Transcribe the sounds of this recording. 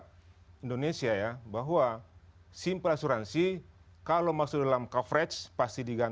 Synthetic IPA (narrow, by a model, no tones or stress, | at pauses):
indonesiajabaɦuwa | simpəlasuɾansi | kalomaksʊdalamkafɾɛt͡ʃpast̪idiɡan